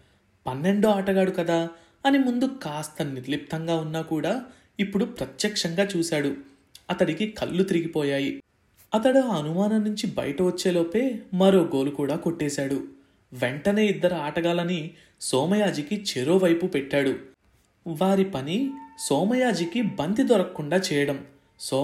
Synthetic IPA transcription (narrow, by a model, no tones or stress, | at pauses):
pɐnːe̞ɳɖoaːʈɐɡaːɽukɐd̪aː | ɐnimund̪ukaːst̪ɐniɾlip̚t̪ɐŋɡaːunːaːkuːɽaː | ipːuɽupɾɐt̪jɐkʂɐŋɡaːt͡ʃuːsaːɽu | ɐt̪ɐɽikikʰɐ̰lːut̪iɾiɡipɔːjaːji | ɐt̪ɐɽoɐnumaːnɐmnuɲt͡ʃibɐ̰jɐʈɐʋot͡ʃːe̞ːloːpe̞ːmɐɾo̞ːɡo̞ːlukuːɽaːko̞ʈːɛːsaːɽu | ʋe̞ɳʈɐne̞ːid̪ːɐɾɐaːʈɐɡaːlɐni | sɔːmɐjaːd͡ʒikit͡ʃeɾo̞ːʋɐjpupɛʈːaːɽu | ʋaːɾipɐnisɔːmɐjaːd͡ʒikibɐnt̪id̪ɔɾɐkːuɳɖaːt͡ʃɛːjɐɽɐm | s